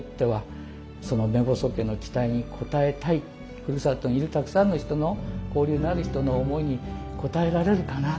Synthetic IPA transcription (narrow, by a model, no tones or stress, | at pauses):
t̪ːe̞βa | sono̞me̞bo̞so̞ke̞nːo̞t͡ɕi̥t̪aiɲ̟ikʰo̞t̪ae̞t̪ai | kɯ̟ɾɯsat̪ːoɲ̟iɾɯ̟t̪akɯ̟̥sãnːo̞çi̥t̪o̞no̞ko̞ːɾʲɯːnaɾɯ̟çi̥t̪o̞no̞ːmo̞iɲ̟iko̞t̪ae̞ɾaɾe̞ɾɯ̟kana